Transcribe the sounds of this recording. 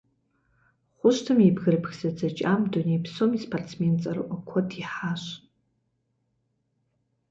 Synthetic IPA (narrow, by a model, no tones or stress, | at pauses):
χʷʊʃtʰɨmibɡɨrpʰxʲzad͡zat͡ʃʼamdonipʰsomispʰart͡sʰment͡sʼarɨ̰ʔakʷʰadʰiħaʃʷ